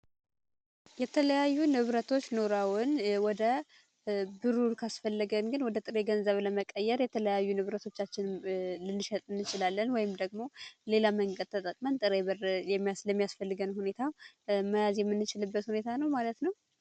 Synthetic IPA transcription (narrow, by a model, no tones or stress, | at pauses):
jɛt̪ʰələjajːunɨβɾət̪ʰo̞t͡ʃːno̞ɾawʊnwɔd̪ə | bɨɾuɾkʰasfəlːɨɡənɡɨnwɔd̪ət̪ʼɨɾe̞ɡənzəβləməkʼəjːɛɾjɛt̪ʰələjajːunɨβɾət̪ʰo̞t͡ʃːat͡ʃːɪnlɨnːɨʃɛt̪ʼɨnːɨt͡ʃɪlalːənwɔjɪmd̪əɡmo̞le̞laməŋkʼət̪ʰːət̪ʼəkʼmənt̪ʼɨɾeβɨɾjɛmːijasləmːijasfəlːɨɡənhune̞t̪ʰawməjazjɛmːɨnːɨt͡ʃɪlɨbːət̪hune̞t̪ʰanəwmalət̪nəw